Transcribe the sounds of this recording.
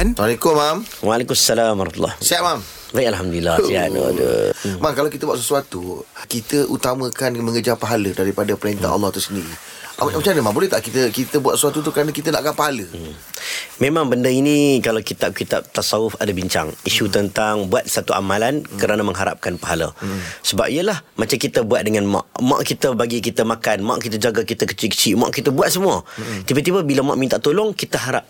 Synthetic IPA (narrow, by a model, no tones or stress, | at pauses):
alekʊmːamwalekumasːalamaɾt̪ulːɔ̰hsəaʔmam | vajalɦamd̪ulilːaja̰də̰maŋkalawkit̪əbuat̪səsuat̪ukit̪əʔut̪amə̃kanməŋəd͡ʒapaɦalədaɾipadapəɾent̪a̰nʔɑ̰lːɔat̪awsəndiɾi | amət͡ʃanəmãbolɛht̪aʔkit̪əkit̪əbuat̪səsuat̪ut̪ukəɾanãkit̪əna̰ʔɡapaɦalə | mẽmãŋbəndəinikalawkit̪ap̚kit̪a̰p̚t̪asaʊfadabiɲt͡ʃa̰ŋisut̪ənt̪aŋbuat̪̚sat̪uʔa̰malankəɾanaməŋɦaɾa̰p̚kanpaɦala̰səba̰p̚iəlahmat͡ʃamkit̪əbuat̪̚dəŋanma̰ʔma̰ʔkit̪əbaɡikit̪əmakanma̰ʔkit̪əd͡ʒaɡakit̪əkə̥t͡ʃikə̥t͡ʃiʔma̰ʔkit̪əbuat̪̚səmuət̪ibət̪ibəbilama̰ʔmint̪aʔt̪olɔŋkit̪əɦaɾa̰p̚